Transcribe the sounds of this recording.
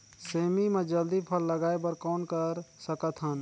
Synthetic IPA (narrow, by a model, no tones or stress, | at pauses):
seːmimẽd͡ʒəld̪ipʰəlːəɡaːebəɾkɔːnkəɾsəkət̪ɦə̃n